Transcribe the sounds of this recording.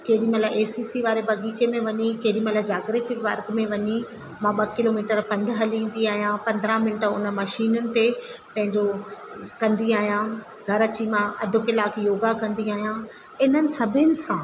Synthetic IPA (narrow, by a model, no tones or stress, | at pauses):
keːɾimɐlaʔeːsiːsiʋaːɾebɐɡiːt͡ɕemẽʋɐɲikeːɾimɐlad͡ʑaːɡɾekʋɐɾɡmẽʋɐɲi | mãɓɐkɪloːmiːʈəɾpɐ̃nd̪ɦɐlĩːn̆d̪iaːɦijãpɐ̃nd̪ɾãmɪɳʈəʊnəmɐʃiːnʊnɪ̆t̪epɐ̃ɦɪ̃ɲd͡ʑokɐ̃nd̪iaːɦijãː | ɡʱɐɾɐt͡ɕimãɐd̪ʱʊkɪlaːkjoːɡakɐ̃nd̪iaːɦijã | ɪnənɪ̆sɐbʱɪnɪ̆sãː